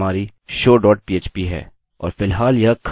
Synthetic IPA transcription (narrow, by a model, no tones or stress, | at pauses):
aːɾi | ʃoːɖɔːʈ̚piːeːt͡ʃpiɦɛ̰ː | ɔ̰ːɾfɪlɦaːljɐkʰ